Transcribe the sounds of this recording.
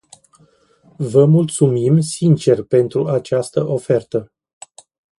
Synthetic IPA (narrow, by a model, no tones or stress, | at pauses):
vəmult̪sumimsint͡ʃe̞rpe̞nt̪ɾuat͡ʃast̪əʔo̞fe̞rt̪ə